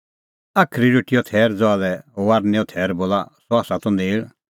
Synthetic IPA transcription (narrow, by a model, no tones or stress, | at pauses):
akʰɾiɾoʈɪjɔt̪ʰɛːɾd͡zɔalɛɦoʋaɾnɛɔt̪ʰɛːɾboːlasɔaːsat̪ɔneːɭ